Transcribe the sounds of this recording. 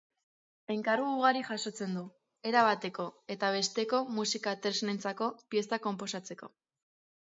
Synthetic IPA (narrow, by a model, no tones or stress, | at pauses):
e̞ŋkaruːɣ̞aɾiʝaso̞t͡se̞nd̪u | e̞ɾaβat̪e̞ko̞e̞t̪aβe̞st̪e̞ko̞musikat̪eɾsnent͡sako̞pie̞st̪ako̞mpo̞sat͡se̞ko̞̰